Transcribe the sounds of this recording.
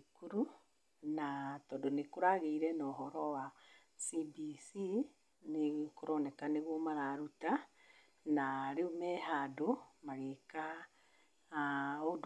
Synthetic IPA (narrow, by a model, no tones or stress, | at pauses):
kuɾu | natɔdonekoɾaɣeiɾɛnɔɦɔɾɔwa | sibisi | nekoɾɔnɛkaneɣomaɾaɾuta | naɾeomɛhadomaɣeka | od